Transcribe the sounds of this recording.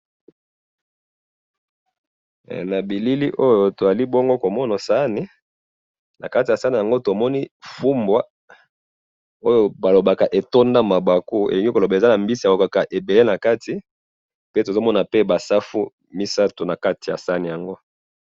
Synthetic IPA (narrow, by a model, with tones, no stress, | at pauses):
na˨bi˨li˦li˦ʔo˦jo˨to˨za˨li˦bo˦ŋɡo˦ko˨mɔ˦na˨sa˦ni˦ | na̰˨ka˦ti˨a˨sa˦ni˨ja˨ŋɡo˦to˨mɔ˦ni˦fu˦mbwa˦ | o˦jo˨ba˨lo˨ba˨ka˨ʔe˨to˦nda˦ma˨ba˨ko˦ḛ˨li˨ŋɡi˦ko˨lo˨ba˨e˨za˦na˨mbi˦si˨a˨lo˨ka˨ka˨ʔe˨be˨le˦na˨ka˦ti˨ | pe˦to˨zo˦mɔ˦na˨pe˦ba˨sa˦fu˦ | mi˦sa˦to˨na˨ka˦ti˨ja̰˨sa˦ni˨ja˨ŋɡo˦